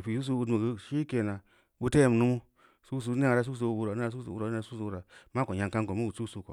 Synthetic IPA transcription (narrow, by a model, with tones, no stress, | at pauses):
pi˨su˦s̬u˦u˦dmu˨ɡi˦ʃi˦ke˨na˨ | ɓu˦te˦jm˨nu˦mu˦ | su˦s̬u˧˦i˦a˨ɾa˦s̬u˦s̬u˧u˦bu˦ɾa˨˦a˦u˦sṵ˨˦u˦ɾa˨˦a˦u˦su˧˦u˦ɾa˨ma˦ko˨ɲa˨ŋka˦ŋko˨mu˦wu˨t͡su˦su˧ko̰˨